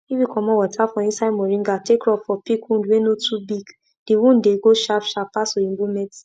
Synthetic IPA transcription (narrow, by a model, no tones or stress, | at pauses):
ifjikʰɔmɔ̃wɔtʰafɔ̃ĩnsamɔɾĩŋɡatekɾɔpfɔpikũndwenotubiɡ | d̥ewũndeɡoʃapʃapasoĩbumɛt